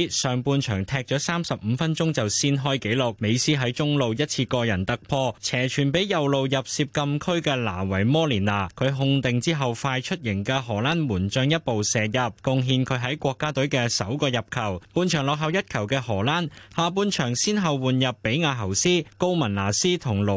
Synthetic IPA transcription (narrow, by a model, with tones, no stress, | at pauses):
sœː˨ŋpuː˧nt͡ʃʰœ̰ː˨˩ŋt̪ʰɛː˧k̚t͡ʃɔː˨˧˥saː˥msɐ˨p̚m̩ː˨˧˦fɐ˥nt͡ʃʊ˥ŋt͡sɐ˨wsiː˥nɦɔː˥jke˨˥jlʊ˨k̚me˨˧jsiː˥ɦɐ˨˥jt͡sʊ˥ŋlo˨wjɐ˥t̚t͡sʰiː˧kɔː˧jɐ˨˩nt̪ɐ˨k̚pʰɔː˧t͡sʰɛː˨˩t͡ʃʰyː˨˩npe˨˥jjɐ˨wlo˨wjɐ˨p̚siː˧p̚kɐ˧mkʰɵ˥ɥkɛː˧la̰ː˨˩wɐ˨˩jmɔː˥liː˨˩naː˨˩kʰɵ˨˧ɥɦʊ˧ŋt̪ɪ˨ŋt͡siː˥ɦɐ˨wfaː˧jt͡ʃʰɵ˥t̚jɪ˨˩ŋkɛː˧ɦɔː˨˩laː˥nwuː˨˩nt͡ʃœː˧ŋjɐ˥t̚po˨wsɛː˨jɐ˨p̚kʊ˧ŋɦiː˧nkʰɵ˨˧ɥɦɐ˨˥jkʷɔː˧kːaː˥t̪ɵ˨˥ɥkɛː˧sɐ˨˥wkɔː˧jɐ˨p̚kʰɐ˨˩wpuː˧nt͡ʃʰœː˨˩ŋlɔː˨k̚ɦɐ˨wjɐ˥t̚kʰɐ˨˩wkɛː˧hɔː˨˩laː˥nhaː˨˧p̬uː˧nt͡ʃʰœː˨˩ŋsiː˥nɦɐ˨wwuː˨njɐ˨pːe˨˥jŋaː˧ɦɐ˨˩wsiː˥ko˥wmɐ˨˩nlaː˨˩siː˥t̪ʰʊ˨˩ŋlo˨˩